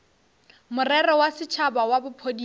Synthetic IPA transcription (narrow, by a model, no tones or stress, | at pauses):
mʊrɛrɔwasɪt͡ʃʰabawabʊpʰodi